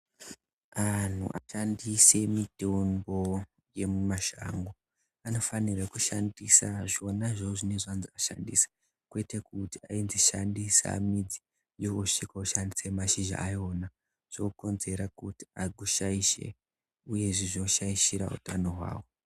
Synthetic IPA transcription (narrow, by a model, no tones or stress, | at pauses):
an̤ṵʔaʃandise̞mitembo̞ | je̞mumaʃa̰ŋɡo | ano̞fanirakuʃandisaʐionaʐoʐine̞ʐanziaʃa̰ndḭsḁ | kwe̞te̞kutiainziʃandisa̰mid͡zi | jouʂikauʃandisemaʃiʒa̰ʔːjo̞na | ʐ̥ouko̞nze̞ɾakuti̥aɡʱuʃaiʃe̞̰ | uje̞ʐiʐinoʃaiʃiɾa̰ṵtano̞ɦwa̰ːwo̞